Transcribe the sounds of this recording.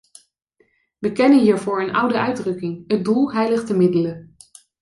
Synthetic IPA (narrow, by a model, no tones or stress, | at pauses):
ʋəkɛnənɦiːɹvʊːɹənʔʌ̰wdəœɥdrɵkɪŋɦədulˠɦɛjləχtəmɪdələ